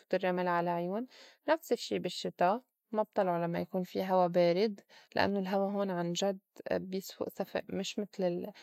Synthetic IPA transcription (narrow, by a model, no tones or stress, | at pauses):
u̥ːt̪ɪrˤːamɪlʕalaʕjuːn | nafsɪʃːiːbɪʃːɪt̪a | mab̚t̪ˤɑlʕolamːajakuːnfiɦawabeːɾɪd̪lɪ̰ʔa̰nːolɦawaɦoːnʕanʒad̪bjɪswʊ̰ʔsafɪ̰ʔmɪʃmɪt̪lɪl